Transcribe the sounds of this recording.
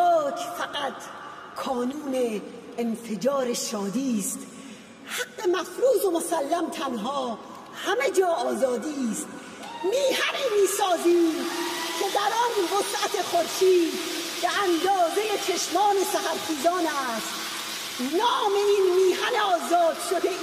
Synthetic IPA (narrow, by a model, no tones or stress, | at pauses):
ɒːkʰfæɡæt̪ | kʰɒːnuːneː | nfe̞d͡ʒɒːɾeʃɒːd̪iːst̪ | haɡːe̞mæfɾuːzo̞mosælːæmt̪ʰænɦɒː | hæme̞d͡ʒɒːɒːzɒːd̪iːst̪ | miːhænemiːsɒːziːmkʰed̪æɾɒnbosʔæt̪ʰe̞xoɾʃiːd̪beænd̪ɒːzeje̞t͡ʃʰeʃmɒːnesæhæɾt̪iːzɒːnæːst̪ | nɒːme̞inmiːhæneɒːzɒːd̪̥ʃod̪e